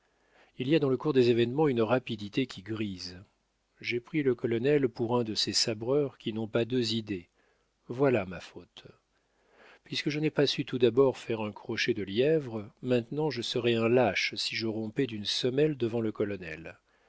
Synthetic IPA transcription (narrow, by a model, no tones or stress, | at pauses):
ilijad̪ɑ̃ləkuʁd̪ezevɛnmɑ̃ynʁapid̪it̪ekʲiɡʁiz | ʒepχiləkɔlɔnɛlpuʁɛ̃d̪əsesabʁœʁkʲinɔ̃pad̪øzid̪e | vwalamafot̪ | pɥiskəʒənɛpasyt̪ud̪abɔʁfɛʁɛ̃kχɔʃed̪əljɛvʁmɛ̃t̪nɑ̃ʒəsəʁɛɛ̃laʃsiʒəʁɔ̃pɛd̪ynsɔmɛld̪əvɑ̃ləkɔlɔnɛ̰l